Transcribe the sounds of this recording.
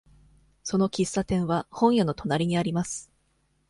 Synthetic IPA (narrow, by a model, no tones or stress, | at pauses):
so̞no̞kʲisːat̪ẽ̞ɰ̃βahõ̞ɰ̃jano̞t̪o̞naɾʲiɲ̟iaɾʲimasɨ̥